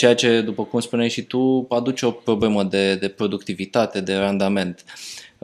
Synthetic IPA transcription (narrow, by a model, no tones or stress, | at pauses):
t͡ʃe̞jat͡ʃe̞d̪upəkumspunejʃit̪upad̪ut͡ʃeo̞pɾo̞ble̞məd̪e̞d̪e̞pɾo̞d̪ukt̪ivit̪at̪e̞d̪e̞rand̪ame̞nt̪